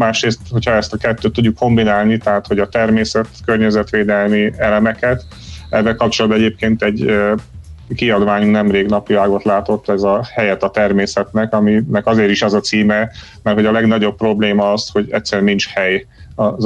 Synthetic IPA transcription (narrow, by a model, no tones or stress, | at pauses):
maːʃɾeːst̪ho̞cʰhɒɛst̪ɒkɛt̪ːøːt̪ːuɟːukːo̞mbinaːlnit̪ɛɦat̪ho̞ɟɒt̪ɛrmeːsɛt̪kørɲɛzɛt̪ʋeːd̪ɛlmiɛlɛmɛkɛt̪ | ɛvːɛlkɒp̚t͡ʃolɒd̪bɛɟeːp̚keːnt̪ɛɟ | kiɒd̪ʋaːɲunɛmreːɡnɒpiaːɡo̞t̪laːt̪o̞t̪ːɛzɒhɛjɛt̪ɒt̪ɛrmeːsɛt̪nɛkɒminɛkɒzeːɾiʃɛzɒt̪siːmɛ | mɛrhoɒlɛɡnɒɟo̞b̚pro̞bleːmɒɒsho̞ɟɛt̪sːɛɾɛnint͡ʃhɛj | ɒ